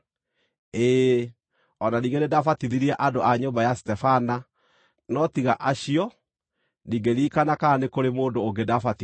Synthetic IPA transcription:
eː | ɔnaniːɡenedafatiðiɾiɛʔadoʔaɲombajastɛfana | nɔtiɣaʔaɕiɔ | niːŋɡeɾiːkanakaːnekoɾemoːndoːŋɡedafati

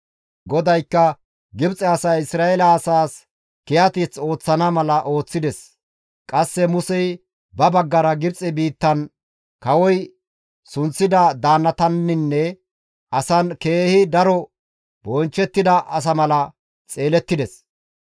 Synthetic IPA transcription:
ɡɔd̪ɐjkːɐ | ɡɪbt͡sʼɛɐsɐːɪsɾaːɛlɐːsaːs | kɪjɐt̪it͡so̞ːt͡sːɐnɐmɐlɐʔo̞ːt͡sːɪd̪ɛs | kʼɐsːɛmʊsɛj | bɐbɐɡːɐɾɐɡɪbt͡sʼɛbiːt̪ːɐn | kɐwɔj | sʊnt͡sːɪd̪ɐd̪aːnːɐt̪ɐnːɪnːɛ | ʔɐsɐnke̞ːhɪd̪ɐɾɔ | bɔnt͡ʃːɛt̪ːɪd̪ɐʔɐs̬ɐmɐlɐ | t͡sʼe̞ːlɛt̪ːɪd̪ɛs

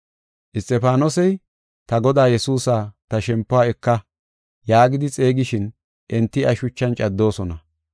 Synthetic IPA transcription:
ʔɪst̪ʼːɛpaːnɔsɛj | t̪ɐɡɔd̪aːjɛsuːsaːt̪ɐʃɛmpːʊaːɛkːɐ | jaːɡɪd̪ɪt͡sʼe̞ːɡɪʃɪn | ʔɛnt̪ːɪɐʃʊt͡ʃːɐnt͡ʃʼɐd̪ːo̞ːsɔnɐ

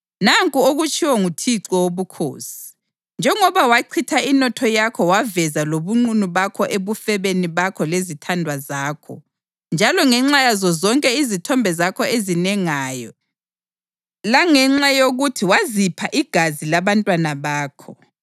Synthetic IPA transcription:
naŋkʼuoɣut͡ʃʼʰiwɔŋutʰiǀɔwoβukʰo̰ːsi̥ | nd͡ʒʱɛŋɔβawaǀʰitʰainɔtʰɔjakʰɔwavɛzaloβuŋ͡ǀunuβakʰɔʔeβufɛβeniβakʰɔlezitʰandʱwazaːkʰɔ̰ | nd͡ʒʱalɔŋɛŋ͡ǁajazɔzɔŋkʼɛizitʰɔmbʱɛzakʰɔezinɛŋaːjɔ | laŋɛŋ͡ǁajoɣutʰiwazipʰaʔiɡ̥ʱazilaβantʼwanaβaːkʰɔ

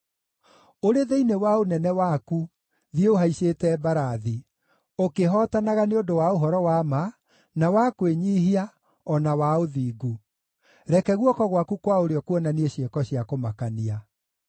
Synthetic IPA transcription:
oɾeðeinewaonɛnɛwaku | ðieoɦaiseːtɛbaɾaði | okeɦɔːtanaɣaneodowaoɦɔɾɔwama | nawakweɲiɦia | ɔnawaoðiːɡu | ɾɛkɛɣwɔkɔɣwakukwaoɾeɔkwɔnanieɕjekɔɕjakomakania

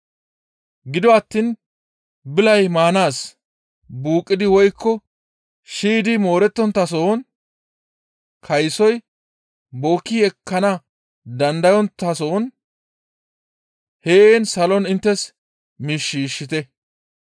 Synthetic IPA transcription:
ɡɪd̪ɔɐt̪ːiːn | bɪlɐjmaːnaːs | buːkʼːɪd̪ɪwɔjkʰːɔ | ʃiːd̪ɪmo̞ːɾɛt̪ːɔnt̪ːɐsoːn | kʰɐjsɔj | bo̞ːkːɪɛkːɐnɐ | d̪ɐnd̪ɐjɔnt̪ɐsoːn | heeːnsɐlɔnɪnt̪ːɛs | miʃːiːʃːɪt̪ɛ

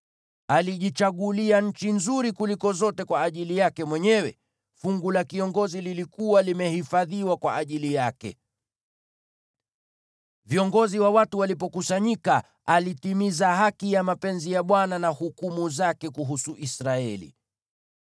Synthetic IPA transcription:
aliʄit͡ʃaɠuliaɲ̩t͡ʃinzuɾikulikɔzɔtɛkwaːʄilijakɛmwɛɲɛwɛ | fuŋɡulakiɔŋɡɔzililikuwalimɛhifaðiwakwa̰ʔaʄilijakɛ̰ | viɔŋɡɔziwawatuwalip̬ɔkusaɲika | alitimizahakijamapɛnzijaɓwananahukumuzakɛkuɦusuʔisɾaɛlḭ

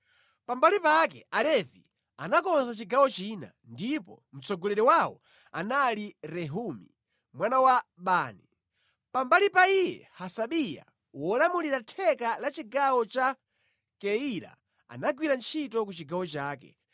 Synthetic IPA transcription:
pambalipakɛalɛvi | anakɔnzat͡ʃiɡawɔt͡ʃina̰ndipɔ̰ | m̩t͡sɔɡɔlɛɾɛwawɔ̰ | a̰naliɾɛɦumḭ | mwanawaɓaːni | pambalipaijɛ̰hasaɓija̰ | wɔlamuliɾatʰɛkalat͡ʃiɡawɔt͡ʃa | kɛiɾa̰ | a̰naɡwiɾant͡ʃʰitɔk̬ut͡ʃiɡawɔt͡ʃaːkɛ̰

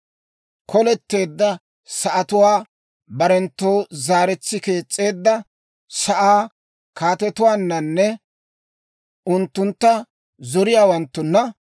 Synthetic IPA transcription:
kʰɔlɛt̪ːe̞ːd̪ːɐ | sɐʔɐt̪ʊwaː | bɐɾɛnt̪ːoːzaːɾɛt͡sːɪke̞ːt͡sʼːe̞ːd̪ːɐ | sɐʔaː | kʰaːt̪ɛt̪ʊwaːnːɐnːɛ | ʊnt̪ːʊnt̪ːɐ | zɔɾɪjaːwɐnt̪ːʊnːɐ

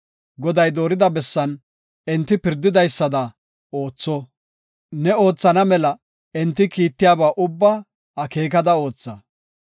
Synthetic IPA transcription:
ɡɔd̪ɐjd̪o̞ːɾɪd̪ɐbɛsːɐn | ɛnt̪ːɪpɪɾd̪ɪd̪ɐjsːɐd̪ɐ | o̞ːt͡sːɔ | nɛo̞ːt͡sːɐnɐmɛlɐ | ɛnt̪ːɪkiːt̪ːɪjaːbaːʔʊbːɐ | ɐke̞ːkɐd̪ɐo̞ːt͡sːɐ

